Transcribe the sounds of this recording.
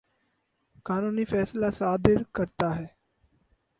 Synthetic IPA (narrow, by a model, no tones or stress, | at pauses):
kaːnuːniːfʰɛːslaːsaːd̪ɪɾkəɾt̪aːɦɛː